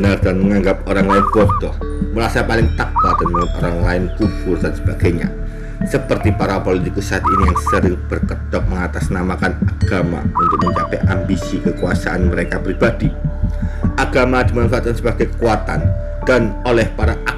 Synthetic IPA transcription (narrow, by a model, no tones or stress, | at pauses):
ənard̪̥anməŋaŋɡap̚oɾaŋlaɪnbɔd̪̥ɔh | məɾasapalɪŋt̪ak̚at̪̚dənmaŋɪt̪o̰ɾaŋlaɪnkufʊrdansə̥b̥aɡ̥ajɲa̰ | səpərt̪ipaɾapolit̪ikusaat̪̚inijaŋsəɾɪŋb̥ərkəd̪̥ɔk̚məŋat̪asnamakanaɡ̥ama̰unt̪ʊk̚məɲt͡ʃapɛʔambisikəkuasa̰ʔanməɾekapɾib̥ad̥i | ʔaɡ̥amadimanfat̪̚kansəbaɡ̥ajkəkuat̪a̰n | d̥an | olɛhpaɾaʔa